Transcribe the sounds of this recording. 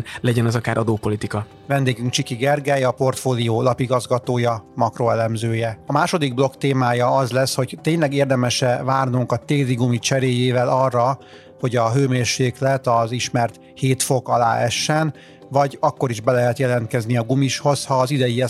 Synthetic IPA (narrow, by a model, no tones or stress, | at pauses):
lɛɟɛnɒzɒkaːɾʔɒd̪oːpolit̪ikɒ | vɛnd̪eːɡyŋk̚t͡ʃikiɡɛrɡɛjɒpo̞rt̪foːlioːlɒpiɡɒzɡɒt̪oːjɒmɒkro̞ɛlɛmzøːjɛɒmaːʃo̞d̪iɡ̚blo̞kt̪eːmaːjɒɒzlɛsho̞ɟt̪eːɲlɛɡeːrd̪ɛmɛʃɛvaːrnuŋkɒt̪eːliɡumit͡ʃɛɾeːjeːvɛlɒrːɒ | ho̞ɟɒɦøːmeːrʃeːklɛt̪ɒziʃmɛrt̪ | heːt̪fo̞kɒla̰ːɛʃːɛn | vɒɟɒkːo̞ɾiʒbɛlɛɦɛt̪jɛlɛnt̪̚kɛzniɒɡumiʃho̞shɒːzid̪ɛjiɛ